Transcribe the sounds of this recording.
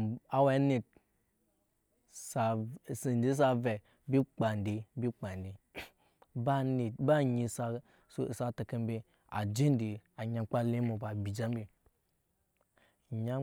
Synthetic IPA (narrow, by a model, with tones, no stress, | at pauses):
a˦wa˦ni˨t̚ | sa˨si˨n˨d͡ʒi˦s̬a˧vɛ˨ | bi˦k͡pa˨n˨di˨bi˦k͡pa˨n˨di˨ | ba˦ni˨ba˦ɲi˧sa˧ | ssa˧ta˨ka˦m˦bi˧ | a̰˨d͡ʒi˦n˦di˨a˨ɲa˨˧k͡pa˦le˦mo˨ba˨bi˨d͡ʒa˦m˦bi˨ | ɲa˦